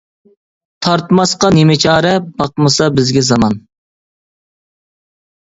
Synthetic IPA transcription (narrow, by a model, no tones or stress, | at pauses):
t̪ʰɑɾt̪mɑsqɑnemɪt͡ʃʰɑːɾɛbɑqmɨsɑbɪzɡʲɛzɑmɑn